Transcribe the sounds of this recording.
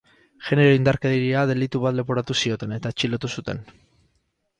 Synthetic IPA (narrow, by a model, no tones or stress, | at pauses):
ʝe̞ne̞ɾo̞ind̪aɾkeðeɾiaðe̞lit̪uβat̪le̞poɾat̪usio̞t̪e̞ne̞t̪aet͡ʃilo̞t̪usut̪e̞̰n